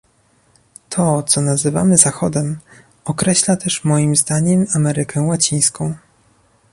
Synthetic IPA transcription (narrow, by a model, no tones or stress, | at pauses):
t̪ʰɔt̪sɔnazɘva̰mɘzaxɔd̪ɛm | ɔkɾɛɕlat̪ɛʂmɔjimzd̪aɲɛmamɛɾɘkʰɛwat͡ɕij̃skɔ̃w̃